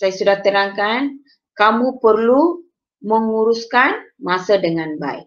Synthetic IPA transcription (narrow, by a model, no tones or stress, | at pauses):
sajasudaht̪əɾaŋkan | kamupərlu | məŋuɾuskanmasadəŋanba̰ḭk